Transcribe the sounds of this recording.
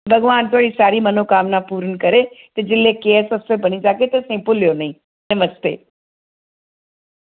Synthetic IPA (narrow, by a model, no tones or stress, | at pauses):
bʱɐɡʋaːnt̪ʊaːɽisaːɾimɐnokaːmnapuːɾənkɐɾet̪ed͡ʒɪlekeːsɐstebɐñid͡ʒaːket̪esẽpʊljonɐɦĩ | nɐməst̪ḛː